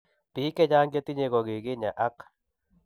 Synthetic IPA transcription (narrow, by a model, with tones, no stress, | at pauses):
pɪ˨˦kɛ˦d͡ʒa˦ŋɡa˦t̪i˦ɲe˨ɡɔ˨ɡɪ˨ɡɪ˦ɲa˨ʔa˦k